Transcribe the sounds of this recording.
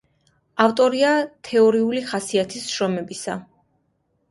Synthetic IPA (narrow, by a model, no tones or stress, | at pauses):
aft̪ʼɔɾiat̪ʰɛɔɾiuliχasiat̪ʰisʃɾɔmɛbisa̰